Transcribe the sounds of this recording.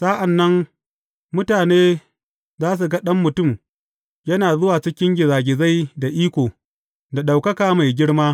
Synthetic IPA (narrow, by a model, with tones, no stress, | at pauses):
sa˦ʔa˨nːɐ˦ŋ | mʊ˦taː˨neː˦ | zaː˦s̬u˨ɡɐ˦ɗɐ˦mːʊ˨tʊ˦˨m | jɐ˦naː˨zʊ˦waː˨t͡ʃɪ˦kʲɪ˦ŋɡʲɪ˨zaː˨ɡʲɪ˨za˦jda˨ʔiː˦kʷoː˨ | da˨ɗa˨wkɐ˦kaː˨ma˨jɡʲɪ˦ɽmaː˦